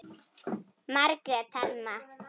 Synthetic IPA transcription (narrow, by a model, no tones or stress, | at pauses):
maɾkat̪ʰalma